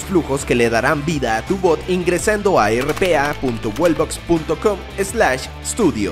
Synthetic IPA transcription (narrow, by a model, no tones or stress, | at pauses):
sfluxo̞ske̞le̞ðaɾambiðaːt̪uβo̞t̪iŋɡɾe̞sand̪o̞aerepeapunt̪owelbokspunt̪o̞kom | ezlaʃ | est̪uðjo̰